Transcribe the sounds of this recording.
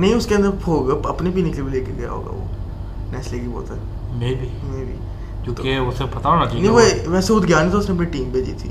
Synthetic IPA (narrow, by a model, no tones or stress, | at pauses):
nəɦĩːʊskeənd̪əɾpʰoːɡəpəpnepiːneksebʱileːkeɡəja̰ɦo̰ːɡa̰ːʋo̰ː | nɛːsleːɡiːbɔ̰ːt̪ɛ | mebʱiːmeːbḭː | kõːkeʊsepɐt̪aoːnat͡ʃinĩʋoʋɛːseʊd̪ɡjaːnĩt̪oʊsneɐp̬niʈiːmbʱeːd͡ʒḭːt̪ʰḭː